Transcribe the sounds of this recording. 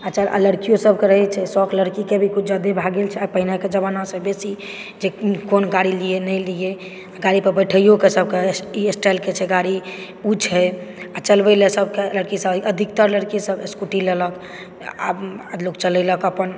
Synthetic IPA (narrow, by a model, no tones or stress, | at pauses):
at͡ʃʰaʔə̰ləɾkijosəbʱkeɾəɦɛt͡ʃʰɛsɔkləɾkikebʱikut͡ʃʰd͡ʒəd̪ebʱaɡelt͡ʃʰɛapəɦineked͡ʒəbanasəbesi | d͡ʒekonɡaɽilijenəjlie | aɡaɾipəɾbəʈʰəjokesəb̚keiesʈaɪlket͡ʃʰɛɡaɽi | ut͡ʃʰɦɛat͡ʃəlbəlesəbkeələɾkisəbʔəd̪ʱik̚t̪əɾləɾkisəbeskuʈilelək | a̰bəlokt͡ʃələləkəpən